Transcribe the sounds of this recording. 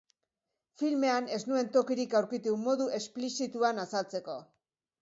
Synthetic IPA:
filme̞ane̞znue̞nt̪o̞kiɾikawɾkit̪umo̞ðuʔe̞splisit̪uanasalt͡se̞ko̞̰

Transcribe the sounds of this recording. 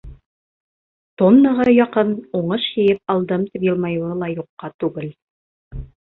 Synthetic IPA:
t̪onːɤ̆ʁɤjɑqɤnuɴɤʃjɘ̆jɘp̚ɑlˠd̪ɤmt̪ipjɤ̆lˠmɑjuɤlˠɑjuqːɑt̪ʉɡɘl

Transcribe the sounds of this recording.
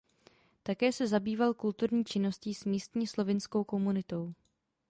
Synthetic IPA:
t̪akɛːsɛzabiːvalkult̪uɾɲiːt͡ʃɪno̞sciːsmiːst̪ɲiːslo̞vɪnsko̞wko̞munɪt̪o̞w

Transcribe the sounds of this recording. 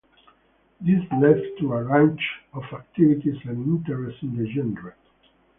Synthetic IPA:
d̪islɛftʰːuəɹãnt͡ʃɔfak̚tivitisæ̃nĩntəɹɛstĩnd̪əd͡ʒɛ̃nɹa

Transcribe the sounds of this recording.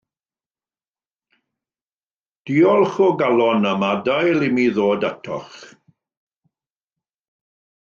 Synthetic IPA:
d̥iːɔlˠχɔɡalˠɔnəmadajlˠɪmiðoːdatʰɔ̰χ

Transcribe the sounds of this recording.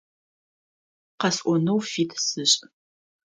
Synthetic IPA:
qɐsʔʷɔnɐwfiːtʰsɨɕʼ

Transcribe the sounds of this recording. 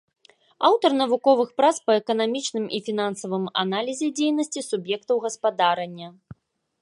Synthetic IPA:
awt̪ɐrnɐvukɔvɨxpɾat̪spɐɛkɐnamʲit͡ʂnɨmifʲin̪ansɐvɨma̰nalʲizʲɛd͡zʲejnɐsʲt͡sʲisubjɛkt̪ɐwɣɐspad̪aɾɐnʲːɐ

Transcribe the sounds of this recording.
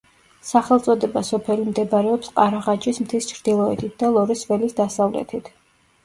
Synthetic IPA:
saχɛlˠt̪sʼɔd̪ɛbasɔpʰɛlimd̪ɛbɾɛɔpsqʼaɾaʁad͡ʒismt̪ʰist͡ʃʰɾd̪̥ilˠɔɛt̪ʰit̪̚ʰd̪alˠɔɾisvɛlisd̪asavlɛ̰t̪ʰit̪ʰ

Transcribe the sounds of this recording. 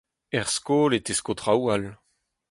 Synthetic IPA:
ɛʁskoːlet̪eskot̪ʁawal

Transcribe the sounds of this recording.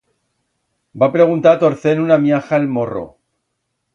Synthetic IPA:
bapɾe̞ɣunt̪at̪o̞ɾθe̞nunaβjaxaelmo̞ro̰

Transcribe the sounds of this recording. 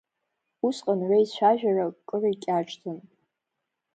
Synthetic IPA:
usqʼanʕʷejt͡ɕʷʰaʒᶣarakʼːɨrikʲʼaʈ͡ʂʼtʰɨn

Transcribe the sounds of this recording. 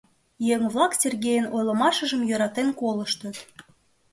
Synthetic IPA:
jeŋvlˠɑksʲerɣʲejənojlə̆mɑʃə̆ʒə̆mjøɾɑt̪enkolə̆ʃt̪ə̆t̪

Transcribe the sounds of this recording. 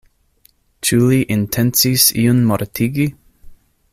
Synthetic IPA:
t͡ʃuliʔɪntʰɛnsisḭunmoɾt̪ʰiɡi

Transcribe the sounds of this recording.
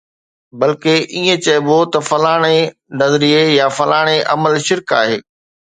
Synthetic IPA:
bɐlkeʔiːẽt͡ɕɐɪbot̪ɐfɐlaːɽ̃e | nɐzɾiejafɐlaːɽ̃eʔɐ̰məlʃɪɾka̰ːɦeː

